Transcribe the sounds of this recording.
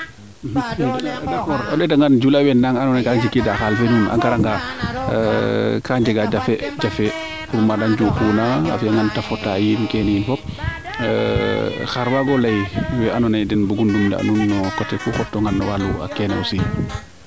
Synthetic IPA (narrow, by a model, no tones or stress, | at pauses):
dakɔɾɔɗɛdaŋɡand͡ʒulawɛnnaŋanɔnajkad͡ʒikːidaxalfɛnuna̰ŋkaɾaŋɡa | kaɲd͡ʒɛɡad͡ʒafɛd͡ʒafɛ | fuɾumadaɲd͡ʒukunaa̰fiaŋɡantafɔtːajinkɛnijinfɔp̚ | xaɾwaɡɔlajwɛʔanɔnajdɛnbuɡundumda̰a̰nunːɔkɔtɛkuxɔtːɔŋɡanːɔwalua̰kɛna̰wsi